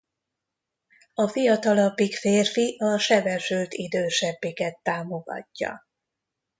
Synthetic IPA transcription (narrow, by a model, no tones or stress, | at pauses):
ɒfijɒt̪ɒlɒpːikfeːrfiʔɒʃɛbɛʃylt̪id̪øːʃɛbːikɛt̪ːaːmo̞ɡɒ̰cːɒ̰